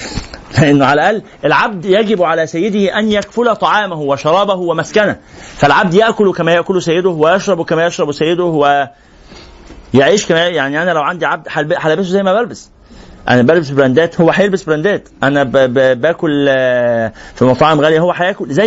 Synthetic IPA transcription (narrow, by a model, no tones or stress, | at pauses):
leʔenːoʕalæʔælː | ʔelʕab̚d̪jæɡebʕalæsæjːed̪iʔænjækfʊlæt̪ˤɑʕɑːmæhoweʃɑɾˤɑːbæhowemæskænæfælʕab̚d̪jeʔkolkæmæjeʔkolosæjːed̪ohwejɑʃɾˤɑbwkæmæjeʃɾˤɑbusæjːed̪ohwe | jeʕiːʃkæmæjaʕniʔænælæwʕand̪iʕab̚d̪ħalbħalæbes̬ozæjːmæbælbes | ʔæ̰næbælbesbɾænd̪æːt̪howːæħajelbesbeɾænd̪æːt̪ʔænæbbæːkol | fimɑt̪ˤɑʔemɣæljæhowːæħajæːkolzæ